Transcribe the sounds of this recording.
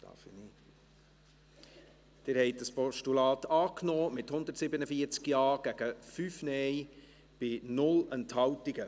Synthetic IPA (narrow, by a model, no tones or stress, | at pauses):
t̪ɑ̰fini | d̥ɪɾhɛɪt̚dəspɔʃtulɑːtɑːknoːmɪthʊnd̪əɾtsɪbənəfiəɾt͡skjɑːɡ̥æɡ̥əfyːfnɛj | b̥ɪnʊlənthɑwtiɡə